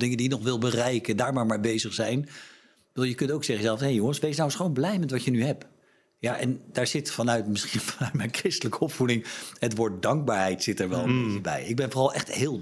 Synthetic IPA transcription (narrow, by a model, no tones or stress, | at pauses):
dɪŋəndijənɔχʋɪlˠbərɛjkəndaːɹmaːɹmaːɹbejzəχsɛjn | əɪːlˠjəkɵntowksɛχəzɛlˠfshejʊŋənsʋejs̬nawsχownblɛjmɛtʋɑtjənyɦɛp | jaʔɛ̰ndaːɹz̥ɪtfɑnœɥtmɪsχinfɑnœɥtmɛjnkrɪstələkəɔpfudɪŋhətʋʊːɹt̚dɑŋɡ̚baːɹɦɛjtsɪtɛɹʋɛlˠənmekəbɛ̰jɪɡ̚bɛnvoːrɑlˠʔɛχthɪːlˠ